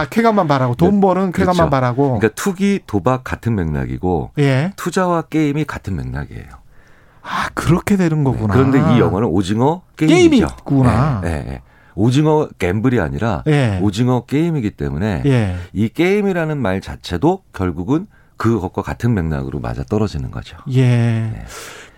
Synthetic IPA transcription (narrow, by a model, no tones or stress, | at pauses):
akʰeɡamanmaɾaɡotombʌɾɯnkʰeɡamamaɾaɡoikatʰuɡitobak̚k͈ːatʰɯnme̞ŋna̰ɡḭɡo̰jetʰud͡ʑawak͈e̞imikatʰɯnme̞̰ŋna̰ɡiḛjo | akɯɾʌkʰedwenɯnɡʌɡunakɯɾʌndeijʌŋwʌnɯnod͡ʑiŋʌk͈eeiiio̰kunaje̞̰ḛ | od͡ʑiŋʌk͈e̞mbɯɾia̰ɲiɾa̰jeod͡ʑiŋʌk͈e̞imiɡit͈e̞mune̞jeik͈e̞imiɾanɯnmaɭt͡ɕat͡ɕʰe̞dokjʌɭɡuɡɯn | kɯkʌp̚k͈wakatʰɯnme̞ŋna̰ɡɯɾoma̰d͡ʑa̰t͈ʌɾʌd͡ʑinɯnɡʌ̰d͡ʑiojeje̞̰